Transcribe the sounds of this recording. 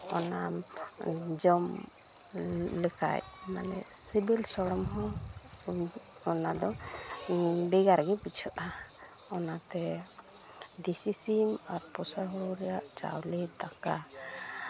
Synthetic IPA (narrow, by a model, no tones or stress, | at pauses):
ɔnam | d͡ʒɔm | ləka̰j̚ | manɛ̰ | sibilsɔɽɔmɦɔ̃ | ɔnad̪ɔ | bɛɡaɾɡɛbit͡ʃʰɔt̪aɔnat̪ɛ | d̪isisimaɾpɔsaɦɔɾɛjaʔt͡ʃa̰wlɛt̪aka